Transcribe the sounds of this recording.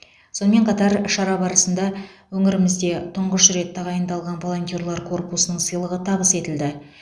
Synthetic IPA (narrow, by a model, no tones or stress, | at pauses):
so̞nəme̞ɴqʰɑt̪ɑɾʃɑɾɑbɑɾəsənd̪ɑwɵŋɪɾɪmɪzd̪e̞t̪ʰʊɴʁəʃɾe̞t̪ːɑʁɑjənd̪ɑlˠʁɑnvo̞lˠo̞nt̪ʲjoɾlˠɑɾkʰo̞rpusənəɴsəjlˠəʁət̪ʰɑbəse̞t̪ɪld̪ɪ